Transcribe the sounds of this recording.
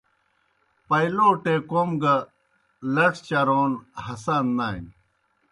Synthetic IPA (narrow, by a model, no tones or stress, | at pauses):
pɐjloːʈekomɡɐ | lɐkt͡ɕɐɾoːnhɐsanːaːin